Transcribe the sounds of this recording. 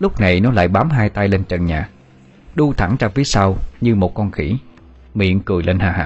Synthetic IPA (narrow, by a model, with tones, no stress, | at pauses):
lʊ˦˥k͡p̚na˨˩jnɔ˨˦la̰ː˧˨jɓaː˨˦mɦaː˧jt̪a˧jle˧nt͡ɕə˨˩nɲaː˨˩ | ɗu˧t̪ʰa˧˩ŋt͡ɕaː˧və˨˦jsa˧wɲɨ˧mo˨˩t̚kɔ˧nxḭ˧˩ | mḭ˧˨ənkɨ˨˩əjle˧nhaː˨˩ɦa̰ː˧˨˦